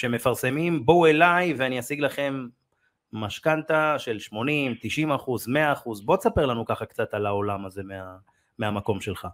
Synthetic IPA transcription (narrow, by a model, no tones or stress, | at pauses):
ʃe̞me̞faʁse̞mimboe̞lajveaniasiɡlaχe̞mː | aʃkant̪aʃe̞lʃmo̞nimt̪iʃimaχuzme̞aːχuzbo̞tsape̞lanukaχakt͡sat̪alao̞lamaze̞mea | meamako̞mʃe̞lχa